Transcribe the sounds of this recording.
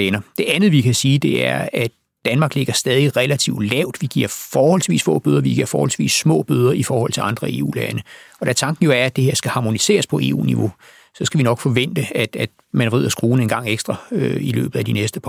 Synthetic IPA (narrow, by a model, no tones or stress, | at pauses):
ɛnɐd̥e̝ʔænð̩ˠʋikʰæsiːd̥e̝æɐæd̥ːænmɑ̈ːɡ̥le̝ɡ̥ɐsd̥ɛːð̞ˠiʁɛlæt͡sʰiʊ̰d̥lɛʊ̰d̥ʋiɡ̥iɐfɒːhɒ̽l̰sʋḭːsfɔ̰̽ːb̥øð̞ˠɐʋiɡ̥iɐfɒ̰ːhɒ̽lsʋḭːsːmɔ̰̽ːb̥øð̞ˠɐifɒːhɒ̽l̰t͡sʰe̝ɑ̈nd̥ʁɐe̝̰ːṵːlɛnəɒ̽ɾ̥æɐt͡sʰɑ̈ŋɡ̥n̩jo̝æɐæd̥ehe̝ɐsɡ̥æhɑ̈ːmo̝nise̝̰ːɐspʰɒ̽e̝̰ːṵːniʋo̝ | sɒ̽sɡ̥æʋinɒ̽ɡ̥fɒ̽ʋen̰d̥əæ̥æd̥ | mænʁið̞̰ˠɐsɡ̥ʁuːn̩e̝nɡ̥ɑ̈ŋ̰eɡ̥sd̥ʁɐøilø̰ːb̥ð̩ˠæd̥inesd̥əpʰ